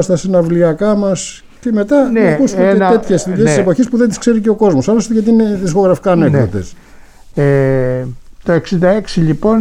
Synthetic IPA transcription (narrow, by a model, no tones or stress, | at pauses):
st̪ɐsinɐvliɐkɐmɐs | ce̞me̞t̪ɐnɐkusumeetet̪çesiesisepo̞çispuðend̪iskse̞ɾice̞o̞ko̞zmo̞sɐlost̪ʝɐt̪iine̞ðisko̞ɣɾɐfi̥kɐːne̞kðo̞t̪es | e | t̪oeksind̪ɐeksiʎipo̞n